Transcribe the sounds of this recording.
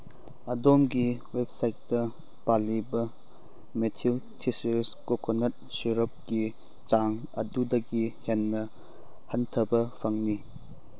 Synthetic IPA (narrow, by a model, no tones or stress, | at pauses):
ɐdomɡiwep̚sajt̚ːɐ | palibɐ | metʰiltʰiseskokʰonɐt̚siɾɐp̚ɡi | t͡ʃaŋ | ɐ̰dudɐɡihenːɐ | hɐntʰɐbɐpʰɐŋni